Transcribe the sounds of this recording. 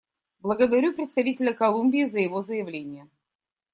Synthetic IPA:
blˠəɡəd̪ɐɾʲupɾʲɪt̪st̪ɐvʲitʲɪlʲəkɐlˠumʲbʲɪːzəjɪvozəjɪvlʲenʲɪjə

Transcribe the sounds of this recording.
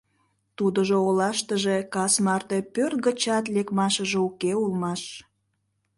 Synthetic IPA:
t̪ud̪əʒoolɑʃt̪əʒe̽kɑsmɑrt̪e̽pørt̪̚ɣət͡ɕɑt̪lekmɑʃəʒeukeulmɑʃ

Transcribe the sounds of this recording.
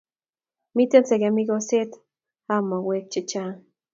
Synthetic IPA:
mit̪ensekemikoset̪ | amowek̚t͡ʃit͡ʃan

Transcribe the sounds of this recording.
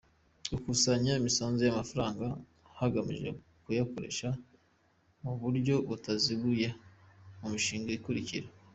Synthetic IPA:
ukusaɲaimisaːnzojamafaɾaːŋɡa | haɡamḭʒe̞̰ | kujakoɾe̞̰ʃa | muβuɾɟo̞βutaziβujamumiʃiːŋɡaikuɾiciɾe

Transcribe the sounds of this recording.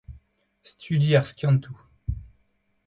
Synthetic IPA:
st̪yd̪iaʁskʲjɑ̃nt̪ʰu

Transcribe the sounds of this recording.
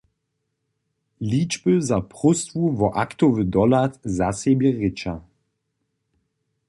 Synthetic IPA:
liːd͡ʒbəzapʁʊst̪vuvɔʔakt̪ɔvəd̪ɔlat̪zasebjəʁɪt͡ʃa

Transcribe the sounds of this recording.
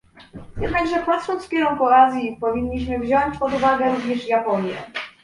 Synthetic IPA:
jɛd̪naɡʐɛpat̪ʂɔnt̪skʲɛɾɔŋkɔazʲjipɔvʲiɲːiɕmɘvʑɔɲt͡ɕpɔd̪uvaɡɛɾuvɲɛʂjapɔɲjɛ̰

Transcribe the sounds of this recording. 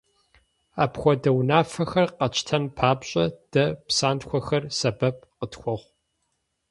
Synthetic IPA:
aːpxʷɔdɐwnaːfɐxɐrqɐt͡ʃʰʼtʰɐnpʰaːbɕʼɐd̥ɐpsaːntxʷɔxɐrsɐbɐp̚ʰʼqətxʷɔʁʷ

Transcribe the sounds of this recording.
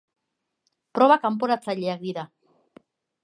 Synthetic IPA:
pɾoβakamp̬oɾat͡saʎeak̚diða

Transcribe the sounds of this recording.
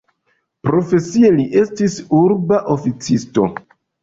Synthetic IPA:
pɾo̞fe̞sieliʔe̞stisuɾbaʔo̞fit͡sisto̞̰

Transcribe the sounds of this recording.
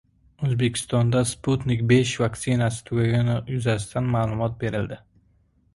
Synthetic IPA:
ɵzbe̞kʲʰɪ̥st̪ɒnd̪asput̪nɪkʲbe̞ʃvaktsɪnasɪ̥t̪ʰʊɡʲaɡʲanɪjʊzast̪ʰanmaːlˠʊmɒt̪̚be̞ɾɪld̪ɪ

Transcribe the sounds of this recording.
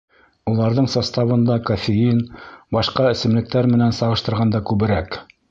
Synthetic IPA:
ulˠɑɾðɤɴsɑst̪ɑβɤ̆nd̪ɑkofʲejinbɑʃqɑɘ̆sɘ̆mlɘ̆k̚t̪æɾmɘ̆nænsɑʁɤ̆ʃt̪ɤ̆ɾʁɑnd̪ɑkʉβɘ̆ɾæk

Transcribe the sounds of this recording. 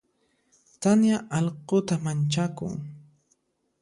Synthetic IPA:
t̪anjaʔɑʎqot̪amant͡ʃakʊ̰ŋ

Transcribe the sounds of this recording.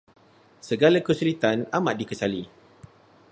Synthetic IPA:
səɡalakəsulit̪anamaʔdikəsali

